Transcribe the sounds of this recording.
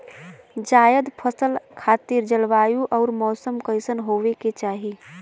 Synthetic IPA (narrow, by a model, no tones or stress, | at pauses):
d͡ʒaːjəd̪pʰəsəlkʰaːt̪iɾd͡ʒəlʋaːjũʔɔːɾmɔːsəmkəɪsənɦoːʋeket͡ʃaːɦi